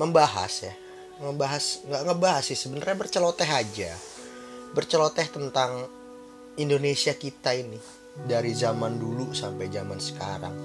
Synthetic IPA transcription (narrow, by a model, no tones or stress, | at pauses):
məmbaɦa̰sja | məmbaɦasŋɡaʔŋəbaɦasɪsəbənərɲabərt͡ʃəlot̪ɛɦad͡ʒa | bərt͡ʃəlot̪ɛht̪ənt̪aŋ | indonesiakit̪aini | daɾizamandulusampajd͡ʒamansə̥kaɾa̰ŋ